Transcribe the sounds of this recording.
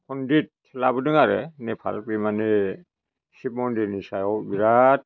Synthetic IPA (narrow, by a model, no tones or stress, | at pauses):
kʰundit̚ʰː | labudɯŋaɾɛnɛpʰa̰lpimani | sib̚mɔndinisajɔbiɾat̚